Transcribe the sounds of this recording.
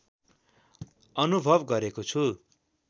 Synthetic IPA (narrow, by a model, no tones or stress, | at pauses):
ʌnubʱʌbɡʌɾekot͡sʰu